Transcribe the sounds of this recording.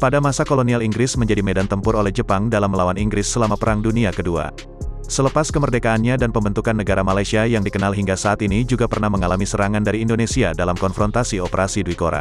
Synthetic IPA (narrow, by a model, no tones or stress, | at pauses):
padamasakolonialiŋɡɾɪsməɲd͡ʒadimɛdant̪əmpʊrolɛhd͡ʒəpaŋdalamːəlawaniŋɡɾɪsːəlamapəɾaŋduniakədua̰ | sələpaskəmərdekaːnɲadanpəmbənt̪ukanːəɡaɾamalajsiajaŋdikənalɦiŋɡasaat̪inid͡ʒuɡapərnahməŋalamisəɾaŋandaɾiːndonesiadalamkɔnfɾɔnt̪asiɔpəɾasiduikoɾa̰